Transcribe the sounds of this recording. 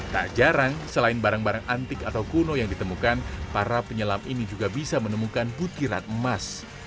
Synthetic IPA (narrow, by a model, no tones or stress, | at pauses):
t̪a̰ʔd͡ʒaɾaŋsəlaɪnbaɾaŋbaɾaŋant̪ɪkat̪awkunojaŋdit̪əmukanpaɾapəɲəlaminid͡ʒuɡabisamənəmukanbut̪iɾa̰nəmas